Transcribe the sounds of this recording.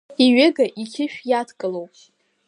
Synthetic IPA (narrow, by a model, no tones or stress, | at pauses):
iɥɪɡaʔikʲʰɪʃᶣjatʰkʼɨlowpʼ